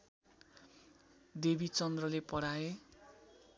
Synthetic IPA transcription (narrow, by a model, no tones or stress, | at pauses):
d̪ebit͡sʌnd̪rʌlepʌɽae